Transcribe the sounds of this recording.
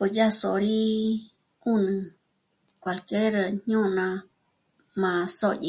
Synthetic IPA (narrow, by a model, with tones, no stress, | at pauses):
po˨ja˦so˨˧ɾi˦ | u˦nɨ̃˧ | kʷa˨lke˦ɾɲ̥ũ˦˧nã˧ | mã˧so˦˨jḭ˧